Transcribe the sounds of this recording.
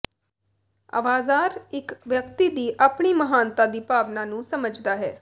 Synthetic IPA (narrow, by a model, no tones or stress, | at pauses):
ə̰ʋaːzaːɾɪkʋjəkt̪iːd̪iːʔaːpɳiːməɦaːnt̪aːd̪iːpaːʋnãːnũːsəməd͡ʒd̪aːɦɛː